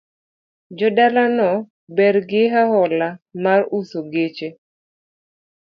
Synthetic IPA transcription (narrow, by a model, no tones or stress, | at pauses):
d͡ʒɔdalanɔ | bɛrɡɪɦaɦɔlamarusoɡet͡ʃe